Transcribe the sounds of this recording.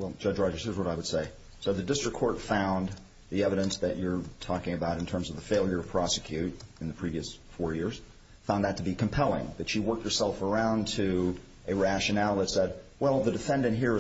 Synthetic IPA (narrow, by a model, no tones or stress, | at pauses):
wɛlˠd͡ʒʌd͡ʒɹɑd͡ʒə˞səzwʌɾaɪwɨd̥seɪ | soʊðɨdɪstɹ̥ɨkʰɔɹtfãʊ̃n | ðiɛvɨɾɨ̃nsðɨt͡ʃə˞tʰɔkɪ̃ŋɨbaʊɾɨ̃n̩tʰɜ̃˞mzʌvðəfeɪlˠjə˞ɾɨ̥pʰɹ̥ɑsɨkʰj̥ʉɾɨ̃nðɨpʰɹ̥iviɨsfɔɹjɪɹz̥ | fãʊ̃nðɨtʰɨbikʰmpʰɛlˠɪ̰̃ŋðɨtʃiwɜ˞k̚t̚hə˞sɛlˠfə˞ãʊ̃ntʰɨ | ʔɨɹæʃɨnælˠðɨtsɛd̚wɛlˠðɨdɨfɛ̃ndɨ̃nʔɦiɹɨ